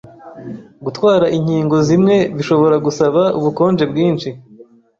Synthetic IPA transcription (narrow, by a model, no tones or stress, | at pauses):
ɡutwaːɾaʔiɲhiːŋɡo̞zimŋe̞ziʃo̞βo̞ɾaɡusaβauβuko̞ːnd͡ʒe̞bɡiːnʃi